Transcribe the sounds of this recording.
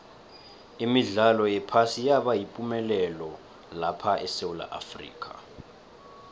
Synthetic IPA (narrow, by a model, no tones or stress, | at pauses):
imiɮalɔjɛpʰasijaɓajipʼumɛlɛlɔ | lapʰaʔɛsewula̰ʔa̰frḭːkʼa